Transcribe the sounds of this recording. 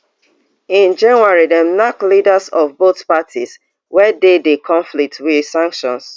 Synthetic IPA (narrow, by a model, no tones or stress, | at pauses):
ĩnd͡ʒãnwaɹidɛmnaklidasɔvboθpatʰis | wɛdedekʰɔ̃ɱflik̚twiðsãŋkʃɔ̰̃ns